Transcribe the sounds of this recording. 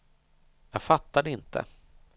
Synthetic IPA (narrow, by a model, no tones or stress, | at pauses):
jɑːɡfat̪ːad̪əɪnt̪ʰə̰